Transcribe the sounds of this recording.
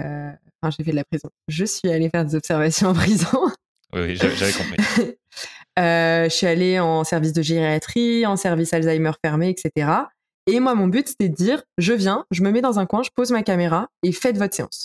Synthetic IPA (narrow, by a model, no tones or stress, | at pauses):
øɑ̃fɛ̃ʒefɛd̪əlapχizɔ̃ʒəsɥialefɛʁd̪ezɔpsɛʁvasjɔ̃ɑ̃pχizɔ̃ | wḭwḭʒa̰ʒavɛkɔ̃pi | øsəɥialeɑ̃sɛʁvis̬d̪əʒeʁeat̪χiɑ̃sɛʁvisalzajmœʁfɛʁmeɛkset̪eʁa | emwamɔ̃byt̪se̥t̪ɛd̪əd̪iːʁʒəvjɛ̃ʒəməmɛd̪ɑ̃zɛ̃kwɛ̃ʒəpozmakameʁaefɛt̪vɔt̪χseɑ̰̃s